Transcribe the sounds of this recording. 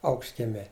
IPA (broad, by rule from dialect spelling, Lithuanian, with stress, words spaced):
ˈɐʊkʃʲtʲkʲiɛmʲɛː